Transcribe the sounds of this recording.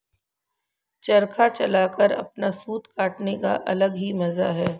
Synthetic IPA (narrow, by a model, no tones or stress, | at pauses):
t͡ʃɐɾkʰat͡ʃɐlaːkəɾɐ̰pnasuːt̪kaːʈneka̰ʔɐləɡɦimɐzaɦɛː